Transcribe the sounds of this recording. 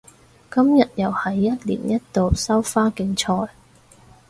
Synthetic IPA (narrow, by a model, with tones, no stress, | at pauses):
kɐ˥mjɐ˨t̚jɐ˨˩whɐ˨˥jːɐ˥t̚lḭː˨˩njɐ˥t̚t̪o˨wsɐ˥wfaː˥kɪ˨˥ŋt͡ʃʰɔː˧j